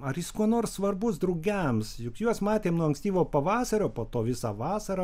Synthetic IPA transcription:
ɐrjɪskuɔnoːrssʋɐrbʊsd̪ɾʊɡʲɛmsjʊkjuɔsmɑːt̪ʲeːmnuɔɐŋksʲt̪ʲiːʋoːpɐʋɑːsɐɾʲoːpoːt̪oːʋʲɪsɑːʋɑːsɐɾɐ

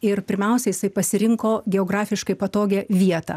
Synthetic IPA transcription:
ɪrpʲɪɾʲmʲɛʊsʲɛjɪsɐɪpɐsʲɪɾʲɪŋkoːɡʲɛoːɡɾɑːfʲɪʃkɐɪpɐt̪oːɡʲeːʋʲiɛt̪ɑ̰ː

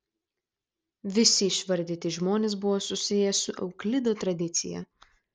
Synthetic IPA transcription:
ʋʲɪsʲɪːʃʋɐɾʲd̪ʲɪːt̪ʲɪʒmoːnʲeːs̬bʊʋoːsʊsʲɪjɛsʊʔɛ̰ʊklʲɪd̪oːt̪ɾɐd̪ʲɪt̪sʲɪ̰jɛ̰

